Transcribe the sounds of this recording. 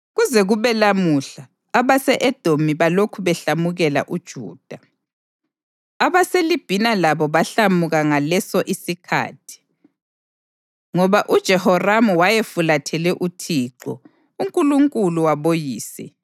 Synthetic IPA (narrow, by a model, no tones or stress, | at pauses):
ɣuzɛɣuβɛlamuɬaː | βasɛʔɛd̥ʱomiβalokʰuβɛɬamuɣɛla̰ʔud̥ʒ̥ʱṵːd̥ʱa | aβaselib̥ʱinalaβɔβaɬamuɣaŋalɛsɔʔisikʰa̰ːtʰi̥ | ŋɔβaʔud̥ʒ̥ʱɛhɔramuwajefulatʰɛlɛʔutʰiǃɔ̰ | uŋkʼuluŋkʼuluwaβojiːsɛ